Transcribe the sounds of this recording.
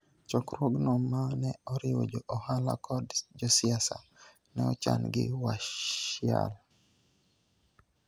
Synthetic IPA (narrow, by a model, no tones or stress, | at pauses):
t͡ʃɔkɾwoɡnɔmanɛɔɾɪwo̰d͡ʒɔʔɔhala̰kʰɔdd͡ʒɔsɪasa | nɛɔt͡ʃa̰nɡɪ̰waja̰l